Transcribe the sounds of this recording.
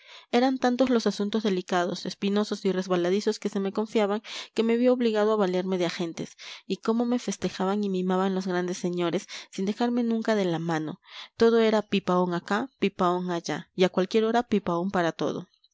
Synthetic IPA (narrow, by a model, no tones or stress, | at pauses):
e̞ɾant̪ant̪o̞zlo̞sasunt̪o̞zðe̞likað̞o̞se̞spino̞so̞sire̞zβalaðiso̞ske̞se̞me̞ko̞ɱfjaβaŋke̞me̞βjooβliɣað̞oaβaleɾme̞ðeaxe̞nt̪e̞siko̞mo̞me̞fe̞st̪e̞xaβaŋimeimaβanlo̞zɣɾand̪e̞sːe̞ɲo̞ɾe̞sːind̪e̞xaɾme̞nũŋkaðe̞lamãno̞̰t̪o̞ð̞o̞e̞ɾapipaoŋakapipaoŋaʝaiakwalkje̞ɾo̞ɾapipaompaɾat̪o̞̰ðo̞̰